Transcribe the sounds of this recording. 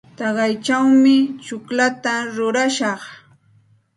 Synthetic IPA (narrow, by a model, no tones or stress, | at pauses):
t̪ɑɢɑjt͡ʃawmɪt͡ʃʊklat̪aɾʊɾaʃɑχ